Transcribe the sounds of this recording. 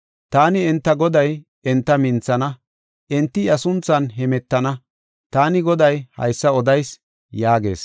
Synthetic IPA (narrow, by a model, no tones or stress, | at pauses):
t̪aːnɪɛnt̪ːɐɡɔd̪ɐj | ɛnt̪ːɐmɪnt͡sːɐnɐ | ʔɛnt̪ːɪɐsʊnt͡sːɐnɦɛmɛt̪ːɐnɐ | t̪aːnɪɡɔd̪ɐjhɐ̰jsːɐɔd̪ɐjs | jaːɡe̞̰ːs